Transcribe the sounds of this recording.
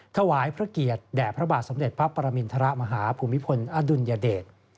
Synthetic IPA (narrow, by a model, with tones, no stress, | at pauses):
t̪ʰa˧waː˩˦jpʰɾa˦˥ki˨˩ət̪̚dɛː˨˩pʰɾa˦˥baː˨˩t̪̚so˩˦mde˨˩t̪̚pʰɾa˦˥pːa˧ɾa˧mi˧nt̪ʰa˧ɾa˦˥ʔma˧ɦaː˩˦pʰuː˧mːi˦˥pʰo˧nʔa˦du˧njaː˧deː˨˩t̪̚